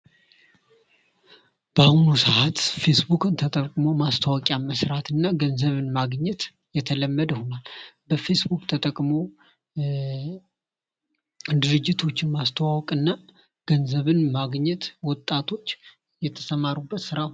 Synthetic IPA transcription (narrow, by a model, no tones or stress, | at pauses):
b̥əahnusəʔat̪fe̞sbukʰʼɨnt̪ʰət̪ʼəkʼmo̞mast̪ʰəwɔkʼjaməsɾat̪ʰɨnːaɡənzəβɨnmaɡɲɛt̪ | jɛt̪ʰələmːəd̪ho̞nalbəfe̞sbukʼt̪ʰət̪ʼəkʼmo | d̪ɨɾɨd͡ʒːɪt̪ʰo̞t͡ʃːɪnmast̪ʰəwawɔkʼɨnːa | ɡ̥ənzəβɨnmaɡɲːɛt̪wɔt̪ʼːat̪ʰo̞t͡ʃː | jɛt̪ʰə̥səmaɾubːət̪sɨɾa